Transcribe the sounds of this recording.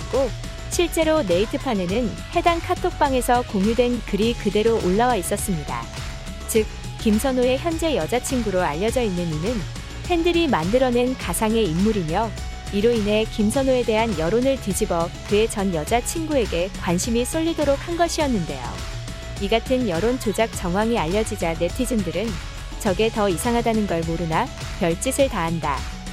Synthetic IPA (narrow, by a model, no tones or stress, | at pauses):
ko | ɕʰiɭt͡ɕ͈e̞ɾone̞itʰɯpʰanenɯn | he̞daŋkʰatʰok̚p͈aŋe̞sʰʌkoŋjudwe̞nkɯɾikɯde̞ɾoʔoɭːawais͈ʌs͈ɯmɲida̰ | t͡ɕɯk̚ | k͈ːimsʰʌnoe̞çjʌnd͡ʑe̞jʌd͡ʑat͡ɕʰiŋɡuɾoa̰ʎːʌd͡ʑʌinːɯninɯn | pʰe̞ndɯɾimandɯɾʌnenkasʰaŋe̞imːuɾimjʌ | iɾoinɦe̞kimsʰʌnoe̞de̞ɦanjʌɾonɯɭtɯd͡ʑibʌkɯe̞t͡ɕʌnjʌd͡ʑat͡ɕʰiŋɡue̞ɡe̞kwanɕʰimis͈oʎːidoɾok̚hanɡʌɕʰiʌnːɯnde̞̰jo̰ | iɡatʰɯnjʌɾont͡ɕod͡ʑak̚t͡ɕ͈ʌŋɦwaŋiaʎːʌd͡ʑid͡ʑane̞tʰid͡ʑɯndɯɾɯn | t͡ɕʌɡe̞tʌisʰaŋɦadanɯnɡʌɭmoɾɯna | pjʌɭt͡ɕ͈isʰɯɭtaɦanda